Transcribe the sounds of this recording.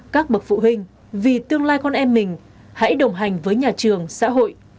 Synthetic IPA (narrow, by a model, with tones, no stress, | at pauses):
kaː˦˥k̚ɓə˨˩k̚fṵ˧˨ɦï˧ŋ̟ | vi˨˩t̪ɨ˧əŋlaː˧jkɔ˧nʔɛ˧mːï˨˩ŋ̟ | ha̰˧˥jɗə˨˩wŋ͡mɦa˨˩jŋ̟vəː˨˦jɲaː˨˩t͡ɕɨ˨˩əŋsa̰ː˧˥ɦo̰˧˨jʔ